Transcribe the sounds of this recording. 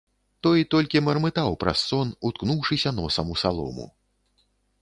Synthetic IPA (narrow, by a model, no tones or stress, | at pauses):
t̪ɔjt̪ɔlʲkʲimɐrmɨt̪awpɾɐ̰sːɔnut̪knuwʂɨsʲɐnɔsɐmusalˠɔ̰mṵ